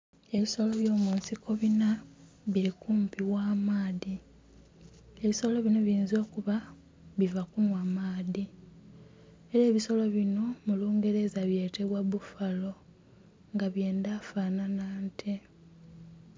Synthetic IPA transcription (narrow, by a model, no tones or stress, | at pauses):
e̞βiso̞lo̞βjo̞ːmuːnsikʰo̞βina | βiɾikuːmpiwaːmaːði | e̞βiso̞lo̞βino̞βiːnzo̞ːkuβa | βivakunwamaːði | e̞ɾeːβiso̞lo̞βino̞muluːŋɡe̞ɾe̞zaβje̞ːte̞βwaβufalo̞ | ŋɡaβje̞ːndafaːnanaːntʰe